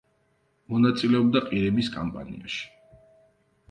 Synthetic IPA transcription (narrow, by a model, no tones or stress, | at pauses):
mɔnat̪sʼilɛɔb̚d̪aqʼiɾimiskʼa̰mpʼa̰nḭa̰ʃi̥